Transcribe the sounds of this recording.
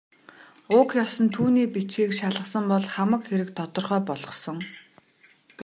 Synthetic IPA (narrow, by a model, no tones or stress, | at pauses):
ʊkjɔsɞ̆nt̪ʰuːniːpit͡ɕiːkʃaɮə̆χsə̆mpɔɮχamə̆kxeɾɘ̆k̚t̪ʰɔt̪ɞ̆rχœːpɔɮʁɞ̆χsɞ̆ŋ